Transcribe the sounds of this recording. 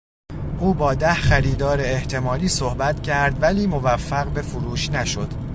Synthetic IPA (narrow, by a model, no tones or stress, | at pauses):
ʔuːbɒːd̪æhχæɾiːd̪ɒːɾeːht̪ʰe̞mɒːliːsohbæt̪cʰæɾd̪væliːmo̞væfːæɣbe̞fuɾuːʃnæʃo̞d̪̥